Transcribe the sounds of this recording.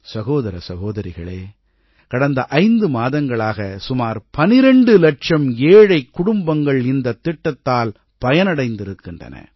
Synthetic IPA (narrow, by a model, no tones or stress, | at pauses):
sɐɣoːðɐɾɐ̰sɐɣoːðɐɾɪɣɐɭeː | kɐɽɐnd̪ɐʔɐɪnd̪ɯmaːðɐŋɡɐɭaːɣɐsʊmaːɾpɐnɪɾɛɳɖɯlɐʈt͡ʃɐmeːɻɐɪkːʊɽʊmbɐŋɡɐɭɪnd̪ɐt̪ːɪʈːɐt̪ːaːl | pɐjɐnɐɽɐɪnd̪ɪɾɯkːɪndrɐ̰nɐ̰